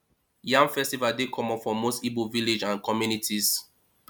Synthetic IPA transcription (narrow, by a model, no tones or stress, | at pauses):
jãŋfɛstivaldekʰɔmɔ̃fɔ̃mostiboviled͡ʒãnkʰɔmjunitʰis